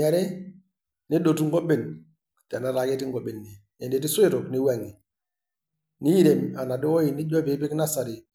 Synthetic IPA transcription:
a˨ɾe˦ | ni˦do˨tu˦ŋɡɔ˦be˨n | tɛ˨na˦ɾa˨ɡe˦ti˦ŋɡo˨bɪ˨nːi˨ | ɛ˨ndi˨ti˦sʊ˦i˦ɾo˨kni˦wa˨ŋi˨ | ni˦i˦ɾe˨ma˨na˨dɪ˦wɔ˦ji˨ni˦ɟɔ˦bi˨˦bi˦kna˦sa˨ɾi˨

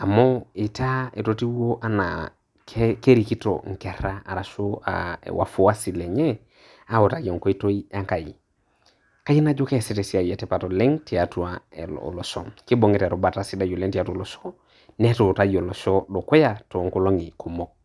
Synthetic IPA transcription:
a˨mo˦i˨ta˦e˨to˨ti˦o˦ʔa˦na̰˨ | ke˦ɾi˨ki˦to̰˨ŋ̩˨ke˨ɾa˦a̰˨ɾa˨so˦a̰wʔa̰˨fo˦wa˦si˨le˨ɲɛ˦ | a˦wo˨ta˨ko˨ŋ˨ko˦i˦to˦i˦a˦ŋka˨jḭ˨ | ka˦ji˦na˦d͡ʒo˦ke˦˨si˦te˨si˦a˨jɛ˨tɛ˨pa˨to˨lɛ˦ŋti˨a˨tu˨a̰˨lo̰˨lo˨sɔ̰˨ŋki˦bo˨ŋe˦ta˨ɾo˨ba˨ta˨si˦da˦jo˨le˦ŋti˨a˦tu˦o˨lo˨so˦ | nɛ˦to˨ta˦jo˨lo˨sɔ˦ɗo˨ko˦ja˨to˨ŋko˦˨lo˦ŋi˨ku˨mo˦k̚

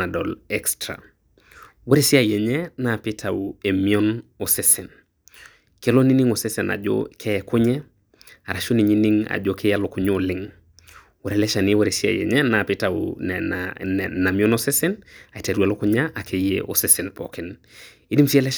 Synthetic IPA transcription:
a˨dɔ˨lɛ˦kstɾa̰˨ | we˦ɾi˦si˦a˦jɛ˨ɲɛ˦na˨pɪ˦tʰa˨u˨e˨mi˦ɔ˦no˨sɪsɪ˨n | ke˦lo˦ni˦ni˦ŋo˨sɪ˦sɛ˨na̰˨d͡ʒo̰kʰɛ˦ɛkʊ˦ɲɛ˦ | a̰˨ɾa˨ʃo˦ni˨ɲi˦ni˦ŋa̰˨d͡ʒo˦kʰe˦ja˦lo˦kʊ˦ɲo˦˨lɪŋ | we˨ɾe˦lɛ˦ʃa˨ni˦we˦ɾi˨si˦a̰˨jɛ̰˨ɲɛ˦na˨pɪ˦taṵ | na˨mi˦ɔ˦nosi˦sɪ˦na˨i˨ta˨ɾu˨a˨lo˦kʊ˦ɲa˦ʔa˨kʰe˨jḛʔo̰˨sɪ˦sɪ˨npɔ̰kɪ˨n | i˦di˦msi˦e˦lɛ˦

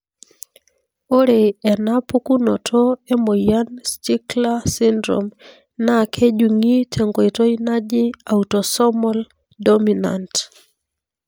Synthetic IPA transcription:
o˦ɾe˨ɛ˨na˦pu˦ku˦nɔ˨tʰɔ˦e˦mo˨ja˦nst͡ʃi˦kla˦si˦ndɾo̰m | na˦kʰe˦d͡ʒu˨ŋi˦tʰe˨ŋɡo˨i˨to˦ina˦d͡ʒɪ˦a˨utɔ˨sɔ˦mɔ˦l | domina̰nt

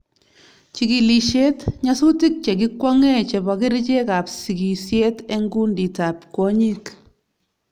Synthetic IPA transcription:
t͡ʃi˨ki˨li˨ʃe˦tɲa˦su˦ti˦k̚t͡ʃɛ˨k̬i˦kwa˦ŋɛ˦t͡ʃɛ˨ba˨kɪ˦ɾt͡ʃe˦ka˨psi˨ki˨sje˦tɛ˦ŋɡu˦ndi˨ta˨pkɔ˦ɲi˦k

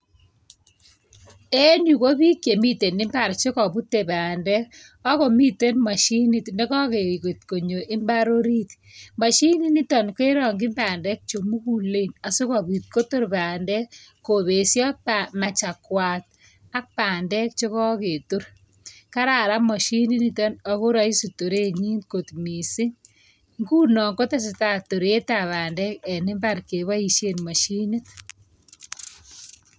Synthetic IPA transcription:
e˦nju˨ko˦bi˦kje˨mi˦te˨nɪ˦mba˨ɾt͡ʃe˦kɔ˨bu˦te˨baː˨ndɛ˦ | ɔ˦ko˨mi˦te˦nma˨ʃi˦nɪ˦tne˦kɔ˦ke˨ɣe˨tko˨ɲo˨ʔɪ˦mba˦ɾo˦ɾi˦t̪ | ma˨ʃi˦ni˦nɪ˦tɔ˨nke˦ɾɔ˨ŋɡɪ˦mbaː˨ndɛ˦k̚t͡ʃo˨mu˦ku˨le˦˨na˨su˦kɔ˨bi˨t̪̚ko˦to˦ɾbaː˨ndɛ˦kːoβe˨sjɔ˦pama˨t͡ʃa˨kwa˨t̪̚ | a˦k̚paː˨ndɛ˦k̚t͡ʃo˦kɔ˦ke˨to˦ɾ | ka˦ɾa˨ɾa˦mɔ˨ʃi˦nɪ˦nitɔ˦nɔ˨ko˦ɾa˨isito˨ɾe˦ɲi˦ntkotmi˨si˦ | ŋɡuː˦nɔ˨ŋko˦ta˦s̬ɪta˨to˨ɾe˦ta˨βaː˨ndɛ˦kɛ˨nɪ˦mba˦ɾke˨βa˦iʃe˦nmɔ˨ʃinɪ˦t̚

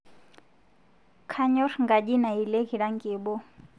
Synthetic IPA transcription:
kʰa˦ɲɔ˦rŋɡa˨ʄi˦na˨i˨le˦ɣi˨ɺa˦ŋɡʼiː˨ɓɔ˦

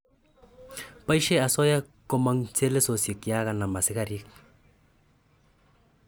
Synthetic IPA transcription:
pa˦i˦ʃe˦a˨sɔ˦ja˦ | ko˦ma˦ŋt͡se˦le˦so˨si˨kja˦ɣa˨na˨ma˨sɪ˦ka˦ɾi˦k̚

